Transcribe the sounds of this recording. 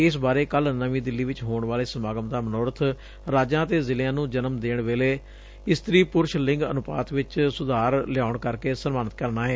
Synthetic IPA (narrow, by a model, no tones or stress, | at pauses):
ɪsbaːɾeːkəlnəʋĩːd̪ɪlːiːʋɪt͡ʃɦoːɳʋaːleːsəmaːɡəmd̪aːmənɔːɾət̪ʰ | ɾaːd͡ʒãːt̪eːzɪljãːnũːd͡ʒənəmd̪eːɳʋeːleː | ɪst̪ɾiːpʊɾʃlɪ̃ŋɡə̰nʊpa̰ːt̪ʋɪt͡ʃsʊd̪ʱaːɾlɪjaːʊɳkəɾkeːsənmaːnət̪kəɾnaːɦɛː